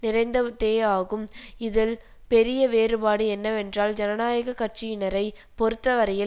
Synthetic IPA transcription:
nɪɾɐɪnd̪ɐʋt̪ːeːaːɣɯmɪðɪl | pɛɾɪjɐʋeːɾɯbaːɽɯɛnːɐʋɛndraːld͡ʒɛnɐnaːjɐɣɐkɐʈ̚t͡ʃɪjɪnɐɾɐɪ | pɔɾɯt̪ːɐʋɐɾɐjɪ

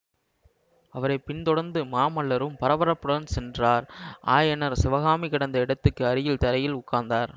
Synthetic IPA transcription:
ɐʋɐɾɐɪpɪnt̪ɔɽɐɾnd̪ɯmaːmɐɭːɐɾɯmpɐɾɐʋɐɾɐpːɯɽɐnsɛndraːɾa̰ːjɛnɐɾsɪʋɐɣaːmikɐɽɐnd̪ɐɪɽɐt̪ːɯkːɯɐɾɪjɪlt̪ɐɾɐjɪlʊkːaːnd̪aːɾ

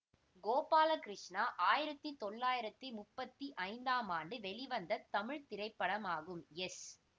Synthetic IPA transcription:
ɡoːpaːlɐkɾɪʂnaːʔaːjɪɾɐt̪ːɯt̪ɔɭːaːjɪɾɐt̪ːɯmʊpːɐt̪ːiʔɐɪnd̪aːmaːɳɖɯʋɛɭɪʋɐnd̪ɐt̪ːɐmɪɻt̪ɪɾɐɪpːɐɽɐmaːɣɯmɛs

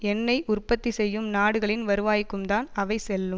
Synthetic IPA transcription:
ɛnːɐɪʔʊrpɐt̪ːisɛjːɯmnaːɽɯɣɐɭɪnʋɐɾɯʋaːjkːɯmt̪aːnɐʋɐɪsɛlːɯm

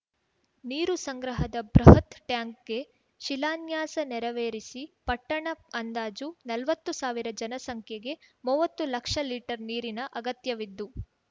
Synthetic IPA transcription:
niːɾusɐŋɡɾɐɦɐd̪ɐbɾɐɦɐt̪ʈjaːŋk̚ɡe̞ | ʃilaːnjaːsɐnɛɾɐʋeːɾisipɐʈːɐɳɐɐnd̪aːd͡ʒunɐlʋɐt̪ːusaːʋiɾɐd͡ʒɐnɐsɐŋkʰjɐɡe̞muːʋɐt̪ːulɐkʂɐliːʈɐɾniːɾinɐʔɐɡɐt̪jɐʋid̪ːu

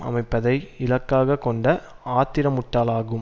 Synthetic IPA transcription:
ɐ̰mɐɪpːɐðɐɪɪlɐkːaːɣɐkːɔɳɖɐ | aːt̪ɪɾɐmʊʈːaːlaːɣɯm

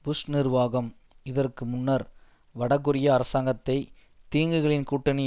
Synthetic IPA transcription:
bʊsnɪrʋaːɣɐm | ɪðɐrkɯmʊnːɐɾ | ʋɐɽɐkːɯɾɪjɐːɾɐsaːŋɡɐt̪ːɐɪ | t̪iːŋɡɯɣɐɭɪnkuːʈːɐnɪ

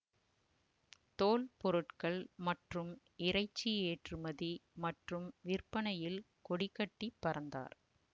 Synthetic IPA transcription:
t̪oːlpɔɾɯʈkɐɭmɐʈrɯm | ɪɾɐɪt͡ʃːieːʈrɯmɐðimɐʈrɯmʋɪrpɐnɐjɪl | kɔɽɪkːɐʈːipːɐɾɐnd̪a̰ːɾ

